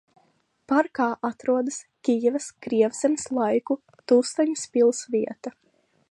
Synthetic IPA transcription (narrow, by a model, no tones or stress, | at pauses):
paɾkaːʔat̪ɾuɔd̪ɐskʲijɛvɐskɾiɛwsɛmislˠajku | t̪ust̪aɲuspʲilˠsviɛt̪ɐ